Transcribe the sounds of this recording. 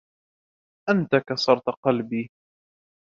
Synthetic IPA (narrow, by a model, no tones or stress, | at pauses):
ʔant̪akasˤɑɾˤt̪qɑlbiː